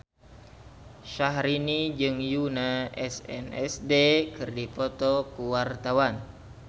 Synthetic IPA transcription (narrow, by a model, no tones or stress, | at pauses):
ʃaɦɾinid͡ʒɨŋjunaʔɛsɛ̰nɛ̰sdekɨrdipɔt̪ɔkuwart̪awan